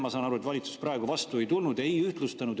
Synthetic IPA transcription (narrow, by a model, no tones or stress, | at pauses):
mɑsɑːnɑɾue̞t̪vɑlʲit̪su̥sprʔɑeɡ̥uvɑst̪ue̞jt̪ulnud̪e̞jyht̪lust̪ɑnud̪